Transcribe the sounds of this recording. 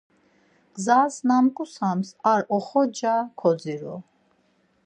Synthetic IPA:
ɡ̥zasnamkʼusamsaɾɔχɔd͡ʒakʰɔd̪d͡ziɾɔ̰

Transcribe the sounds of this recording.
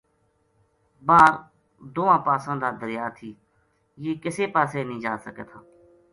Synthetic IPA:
baːɾ | d̪oːʋãːpaːsãːd̪aːd̪əɾɪjaːt̪ʰiː | jeːkɪseːpaːseːnĩːd͡ʒaːsəkḛːt̪ʰaː

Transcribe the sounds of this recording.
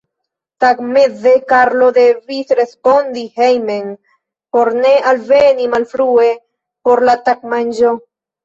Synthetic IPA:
t̪akmeðekaɾloðeβiθɾespond̪ihejmeŋ | poɾneʔalβenĩmalfɾue | poɾlat̪akmand͡ʒo

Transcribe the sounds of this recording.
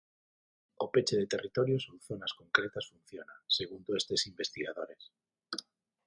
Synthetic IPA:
opet͡ʃeðet̪erit̪oɾjosouθonaskoŋkɾet̪asfun̟θjonaseɣ̞und̪oest̪esimbest̪iɣaðoɾes

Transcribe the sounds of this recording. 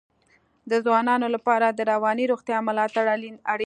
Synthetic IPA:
d̪əzwɑnɑnolapɑɾad̪əɾawɑniɾoɣt̪jɑmʊlɑt̪aɽalinaɽ

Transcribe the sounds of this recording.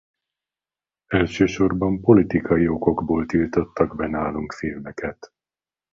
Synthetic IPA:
ɛlʃøːʃo̞rbɒmpolit̪ikʰɒjio̞ko̞ɡboːlt̪ilt̪o̞t̪ːɒɡbɛnaːluŋkfeːvbɛkɛt̪

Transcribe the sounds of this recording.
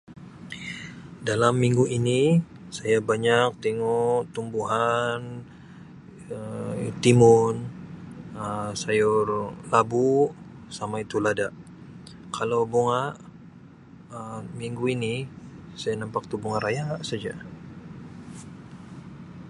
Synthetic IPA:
dalamːiŋɡuini | sajabaɲak̚t̪ɛŋɔʔt̪umbuɦan | ət̪imʊn | əsajʊrlabu | samait̪uladaʔ | kʰalowboŋaʔ | əmiŋɡuinisajanampak̚t̪ubuŋaɾajaʔsad͡ʒa

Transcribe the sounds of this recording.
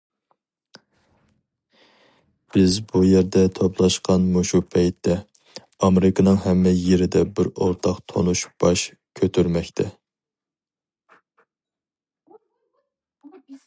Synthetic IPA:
b̥ɪzbujeɾd̪ɛt̪ʰoplˠɑʃqʰɑnmuʃupʰɛjt̪ʰːɛ | ɑmeɾɪknɨŋhɛmːɛjeɾɪd̪ɛbɪɾoɾt̪ʰɑqt̪ʰo̰nuʃb̥ɑʃ | kʲʰøt̪ʰyɾmɛkʲt̪ʰɛ

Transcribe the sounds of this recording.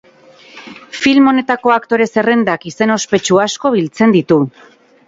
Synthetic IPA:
filmo̞ne̞t̪ako̞akt̪o̞ɾe̞se̞re̞nd̪akise̞no̞spe̞t͡ʃuasko̞βilt͡se̞nd̪it̪u

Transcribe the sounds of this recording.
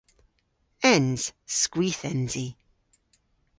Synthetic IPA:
ɛnz̥skwiːθɛnzi

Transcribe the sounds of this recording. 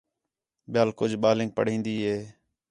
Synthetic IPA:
ɓjaːlkʊd͡ʒʱɓaːlɪ̃ːŋɡ̚pə̰ɽ̤ĩːnd̪iːɦeː

